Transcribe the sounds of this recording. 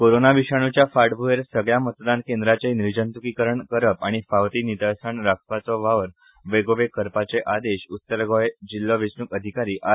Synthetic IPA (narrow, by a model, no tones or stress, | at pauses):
koɾonaʋiɕaɽ̃ut͡ɕjafaʈbʱueɾsəɡɭjamət̪d̪ankend̪ɾat͡seniɾd͡ʑənt̪ukikəɾəɳkəɾəpaɽ̃ifaʋt̪init̪asaɳɾakʰpat͡sɔʋaʋəɾ | ʋeɡoʋekəɾpat͡seʔad̪eɕut̪ːəɾɡɔjd͡ʑilːɔʋisɳukəd̪ʱikaɾiːʔa